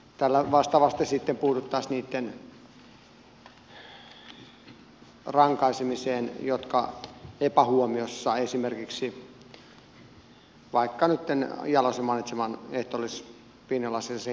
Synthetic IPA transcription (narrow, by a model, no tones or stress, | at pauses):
t̪ælːæʋɑst̪ɑʋɑst̪esit̪ːempuːt̪ut̪ːɑsniːt̪ːen | rɑŋkɑisemiseːnjot̪kɑ̰epæhuomiosːɑesimerkiksi | ʋɑikːɑnyt̪ːenjɑlosemɑˑinit̪semɑneht̪olis | pinːolɑsise